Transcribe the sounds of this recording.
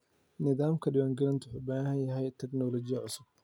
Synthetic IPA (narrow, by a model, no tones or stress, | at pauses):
nɪðaːmkʰɐɖɪwaːŋɡɐlɐnt̪ʰʊħuːbaːhɦɐnjɐɦɛjt̪ʰɛɡnɔːlɔt͡ʃɪjɐʕʊsʊb̚